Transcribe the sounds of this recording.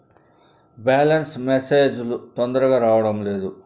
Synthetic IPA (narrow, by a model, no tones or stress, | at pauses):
baːlɐnsmeseːd͡ʒulut̪ond̪ɐɾɐɡaːɾaːʋɐɽɐmle̞ːd̪u